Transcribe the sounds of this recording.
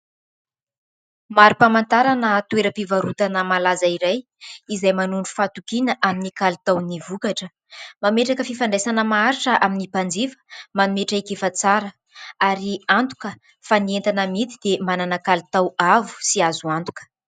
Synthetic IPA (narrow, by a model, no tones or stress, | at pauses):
maɾupamant̪aɾanət̪ueɾəpivaɾut̪anəmalazaiɾaj | izajmanuɳɖ͡ʐu̥fat̪ukinəʔaminikalit̪awnivukaʈ͡ʂə | mameʈ͡ʂakəfifaɳɖ͡ʐesanəmaaɾiʈ͡ʂəʔaminipand͡zivə̥manumeʈ͡ʂikefat͡saɾə | aɾiant̪u̥kə | fanient̪anəmit̪id̪̥emananəkalit̪awavu̥siazuant̪u̥kə̥